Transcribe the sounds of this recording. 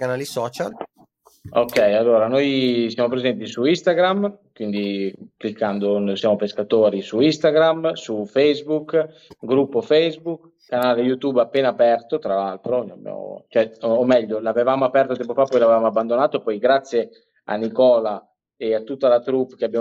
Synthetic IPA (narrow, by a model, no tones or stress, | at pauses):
kanaːlisɔːt͡ʃal | okːɛjalːoːɾanojsjamop̬ɾezɛnt̪isuist̪aɡɾamkwind̪iklikːand̪onosjaːmopeskat̪oːɾisuist̪aɡɾamsufɛjzbukː | ɡɾupːofɛjzbukːanaːlejut̪uːbapːeːnapɛrt̪ot̪ɾalalt̪ɾola̰bja̰mo̰t͡ʃoɛːmɛʎːolavevamoapɛrt̪ot̪ɛmpofapːɔjlavevamoabːand̪onaːt̪oepːɔjɡɾat̪sːje | a̰nikɔːla | eat̪ːut̪ːalat̪ɾupkeabja